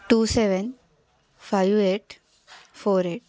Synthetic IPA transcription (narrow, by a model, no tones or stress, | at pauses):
ʈuːseʋən | faɪʋeːʈ | foːɾeːʈ̚